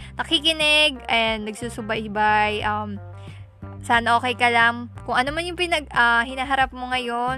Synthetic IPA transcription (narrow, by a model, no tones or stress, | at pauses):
nɐkikɪnɛɡ̚ʔɐɛjanːɐɡsusʊbajbajʔɐm | saːnɐʔo̞ːkɛjkɐlaŋkʊŋʔɐnomanjʊŋpɪnɐɡ̚ahɪnaːɦɐɾap̚moŋɐjo̞n